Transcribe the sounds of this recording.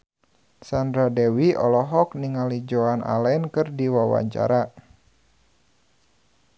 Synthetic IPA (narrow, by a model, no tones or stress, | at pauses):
sandɾadɛwiʔɔlɔɦɔk̚niŋalid͡ʒoanʔa̰lɛnkɨrdiwawa̰ɲt͡ʃa̰ɾa